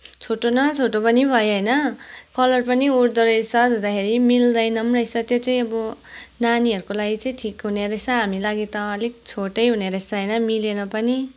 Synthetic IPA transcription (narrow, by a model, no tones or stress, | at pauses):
t͡sʰoʈonʌt͡sʰoʈopʌnibʱʌjɦʌjnʌkʌlʌrpʌniuɽd̪ʌɾʌjsʰʌd̪ʱod̪akʰeɾimild̪ʌjnʌmrʌjsʰʌt̪jot͡saĩʌbʌnaniɦʌɾukolaɡit͡sʌĩʈʰikɦuneɾʌsʰʌɦamilaɡit̪ʌ̃ʌlit͡sʰoʈʌjɦuneɾʌsʌɦʌjnʌmilenʌpʌni